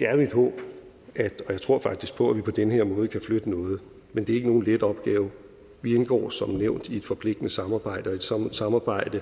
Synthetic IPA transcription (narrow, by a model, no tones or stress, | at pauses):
d̥eæɐjoe̝d̥hɔ̰̽ːb̥ʔæ̥ɒ̽jɑ̈ɪt͡sʰʁo̝ɐ̰fɑ̈ɡ̥̚d̥isɡ̥̚pʰɒ̽æʋipʰɒ̽d̥enheɐ̰mɔ̽ːð̞̩əkʰæflød̥ənɔ̽ːð̞̩ˠ | mend̥e̝ɐe̝ɡ̥əno̝ːn̩led̥ɒ̽b̥ɡ̥ɛːʊ | ʋienɡ̥ɒ̰ːsɒ̽mneʊ̰nd̥ie̝d̥fɒ̽pʰle̝ɡ̥d̥nəsɑ̈mɑ̈ːb̥ɑ̈ɪ̰dəɒ̽e̝d̥ssɑ̈mɑ̈ːb̥ɑ̈ɪ̰d̥ə